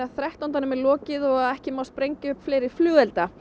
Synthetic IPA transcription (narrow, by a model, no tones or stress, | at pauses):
aθɾɛht̪ɔnt̪anʏmɛlɔːcɪðɔɣaðɛhcɪmawspɾejɲcɪʏpflejɾɪɾ̥flʏːɣɛlt̪a